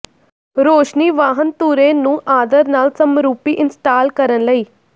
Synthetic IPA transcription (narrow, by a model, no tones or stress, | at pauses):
ɾoːʃniːʋaːɦənt̪uːɾẽːnũːʔaːd̪əɾnaːlsəmɾuːpiːʔɪnsʈaːlkəɾənləiː